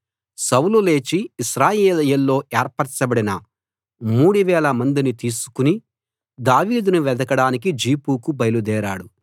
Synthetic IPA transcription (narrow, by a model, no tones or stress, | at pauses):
sɐwlule̞ːt͡ʃiːʃɾaːjeːlɐjɐlːo̞ːeːɾpɐɾt͡ʃɐbɐɽinɐ | muːɽuʋɛːlɐmɐnd̪init̪iːsu̥kuni | d̪aːʋiːd̪unuʋɛd̪ɐkɐɽaːnik̬id͡ʒiːpuːkubɐjlud̪ɛːɾaːɽu